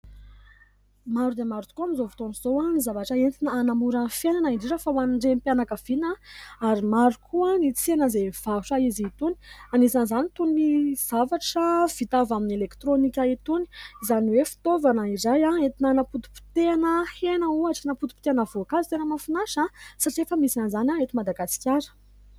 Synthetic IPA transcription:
maɾud̪emaɾut͡s̪u̥kuamizovu̥t̪oniz̥oanizavaʈ͡ʂəent͡s̪inaanamuɾanfenanaiɳɖ͡ʐiɾəfawanɳɖ͡ʐempjanakav̥inaaɾimaɾukʰuənit͡sianəzev̥auʈ͡ʂaizit̪uni̥anisanizanit̪unniz̥avaʈ͡ʂəv̥it̪avaminelekt̪ɾonikʲait̪uniizaniwefi̥t̪ovanəizajaet̪inanaput̪u̥pi̥t̪eanəhenəuaʈ͡ʂənaput̪u̥pi̥t̪eanəvokazi̥t̪enəmafinaʃasaʈ͡ʂiefəmisanzanaet̪imad̪aɡasi̥kʲjaɾə̥

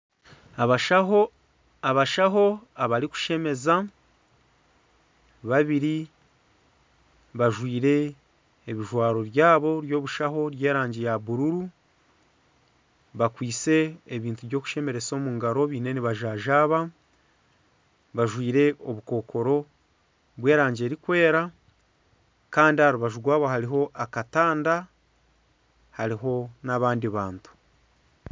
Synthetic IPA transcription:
βaʃaɦo̞aβaɾiku̥ʃe̞me̞za | βaβiɾi | βaʒwiːɾe̞ː | βiʒwaːɾo̞βjaːβo̞ɾjo̞ːβuʃaho̞ɾje̞ːɾaːɲɟejaβuɾuɾu | βakwiːt͡se̞ːβiːntuβjo̞ːku̥ʃe̞me̞ɾe̞t͡so̞ːmuːŋɡaɾo̞βiːne̞niβaʒaːʒaːβa | βaʒwiːɾe̞o̞βuko̞ːkʰo̞ɾo̞ | βwe̞ːɾaːɲɟe̞ːɾikwe̞ːɾa | kaːndihaɾuβaʒuɡwaːβohaɾiɦo̞ʔakataːnda | haɾiɦo̞naβaːndiβaːntu̥

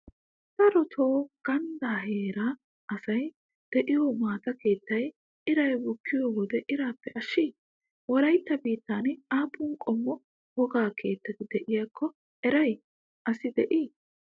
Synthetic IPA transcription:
t̪ɐɾɔt̪ʰo̞ːɡ̥ɐnd̪aːheːɾɐ | ɐsɐj | d̪̥ɛʔɪjoːmaːt̪ɐke̞ːt̪ːɐj | ʔɪɾɐjwɔkːɪjoːwɔd̪ɛʔɪɾaːpːɛʔɐʃːiː | wɔɾɐjt̪ːɐbiːt̪ːaːnaːpːʊŋkʼɔmːɔ | hɔɡaːkʰe̞ːt̪ːɐt̪ɪd̪ɛʔɪjaːkʰːɔ | ɛɾɐj | ʔɐsɪd̪ɛʔiː

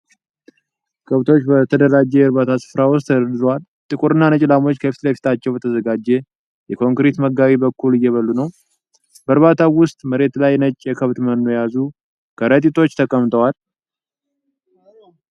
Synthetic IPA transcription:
kʰəβt̪ʰo̞t͡ʃːbət̪ʰəd̪əɾad͡ʒɛjɛɾβat̪ʰasɨ̥fɾawʊst̪ːəɾəd̪ɨzowal | t̪ʼɨkʼuɾɨnːanət͡ʃʼlamo̞t͡ʃːkʰəfi̥t̪ləfi̥t̪ʰat͡ʃːɛwbət̪ʰəzəɡad͡ʒːɛ | jɛkʰo̞ŋkɾet̪məɡːaβibəkʰːulɨjːɛβəlːunəw | bəɾβat̪ʰawʊst̪ʼməɾe̞t̪lajnət͡ʃʼːjɛkʰəβt̪mənːo̞jazu | kʰəɾət̪ʼit̪ʰo̞t͡ʃːt̪ʰəkʼəmt̪ʰʼəwal

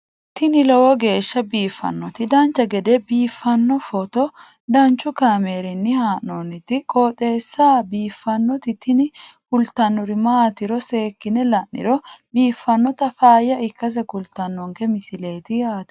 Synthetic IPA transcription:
t̪ɪnɪlɔwɔɡe̞ːʃːɐbiːfːɐ̰nːɔt̪ɪd̪ɐnt͡ʃːɐɡɛd̪ɛbiːfːɐnːɔfɔt̪ɔ | d̪ɐnt͡ʃːʊkaːmeːɾɪnːɪhaːnonɪt̪ːɪkʼoːt̪ʼe̞ːsːaːbiːfːɐnːɔt̪ɪt̪ɪnɪkʊlt̪ɐnːɔɾɪmaːt̪ɪɾɔse̞ːkːɪnɛlɐnːɪ̰ɾɔbiːfːɐnːɔt̪ɐfaːjːɐɪkːɐs̬ɛkʊlt̪ɐnːɔŋkɛmɪsɪle̞ːt̪ɪjaːt̪ɛ̥

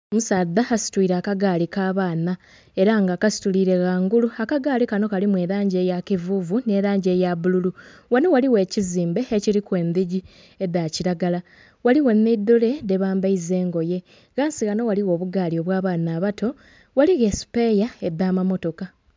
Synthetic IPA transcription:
musaːd̪ːahasi̥twiːɾaːkaɡaːlikaːβaːna | e̞ɾaŋɡaːkasi̥tuliːɾe̞ɣaːŋɡuluakaɡaːlikano̞kalimwe̞ːɾaːɲɟe̞jakivuvune̞ːɾaːɲɟe̞jaβululu | wanowaliwe̞ːciziːmbe̞eciɾikwe̞ːnd̪iɟi | ed̪aciɾaɡala | waliwe̞nːed̪ːole̞de̞βaːmbaize̞ːŋɡo̞je̞ | ɣaːnsiɣano̞waliwo̞ːβuɡaːlio̞βwaːβaːnaːβato̞ | waliɣe̞si̥pejae̞d̪aːmamo̞to̞ka

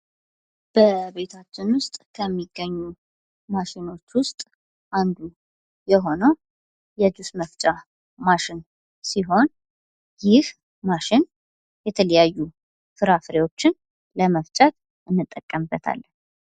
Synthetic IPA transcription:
b̥əβe̞t̪ʰat͡ʃːɪnwʊst̪ʼkʰəmːiɡːəɲːu | maʃɪno̞t͡ʃːwʊst̪ʼ | ʔand̪u | jɛɦo̞nəw | jɛd͡ʒ̪usməft͡ʃʼa | maʃɪn | siɦo̞n | jɪh | maʃɪn | jɛt̪ʰələjajːu | fɨɾafɨɾewo̞t͡ʃːɪn | ləməft͡ʃʼat̪ | ɨnːɨt̪ʼːəkʼːəmbːət̪ʰa̰lː

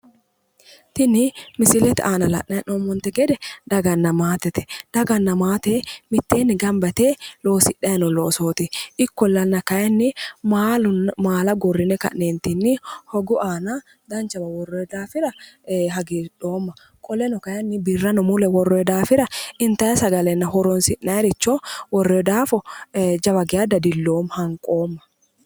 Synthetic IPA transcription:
t̪ɪnɪmɪsɪlɛt̪aːnɐlɐ̰ʔːɐʔoːmːɔnt̪ɛɡɛd̪ɛd̪ɐɡɐnːɐmaːt̪ɛt̪ɛ̥d̪̥ɐɡɐnːɐmaːt̪emɪt̪ːeːnːɪɡɐmbɐt̪eːlo̞ːsɪᶑɐjɐnɔloːso̞ːt̪ɪʔɪkːɔlːɐnːɐkɐjɐnːɪmaːlʊmaːlɐɡɔrːɪnɛkɐ̰ʔneːnt̪ɪnːɪhɔɡʊʔaːnɐ | d̪ɐnt͡ʃɐbɐwɔrːɔd̪aːfɪɾɐɦɐɡiːᶑoːmːɐ | kʼɔlɛnɔkɐjɐnːɪbɪrːɐnɔmʊlɛwɔrɔɛd̪aːfɪɾɐʔɪnt̪ɐjɐsɐɡɐlɛnːɐɦɔɾɔnsɪʔːɐjɾɪt͡ʃːɔwɔrːed̪aːfɔd͡ʒɐbɐɡɪjad̪ɐd̪ɪlːoːmhɐŋkʼo̞ːmːɐ̥

